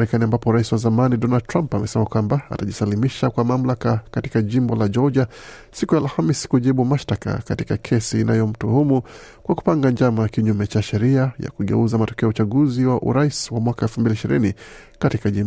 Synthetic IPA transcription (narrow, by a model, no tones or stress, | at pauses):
ɾɛkaniambapɔɾaisiwazamanidɔnald̚tɾampamɛsɛmakwambaa̰taʄisalimiʃakwamam̩lakakati̥kaʄimbɔlad͡ʒɔd͡ʒa | sikujalhamisi̥kuʄiɓumaʃtaka̰kati̥kakʰɛsiːnʔa̰jɔm̩tuhumu | kwaku̥paŋɡaɲd͡ʒamakiɲumɛt͡ʃaʃɛɾiaja̰kuɠɛ̰uzamatɔ̥kɛɔut͡ʃaɠuziwaʔṵɾaiswamwakaɛlfumbiliiʃiɾini | katikaʄimb